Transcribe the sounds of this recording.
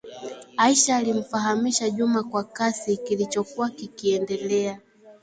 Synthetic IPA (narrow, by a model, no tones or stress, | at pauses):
aiʃaːlim̩faɦamiʃaʄumakwakasikilit͡ʃɔkuwakikiɛndɛlɛa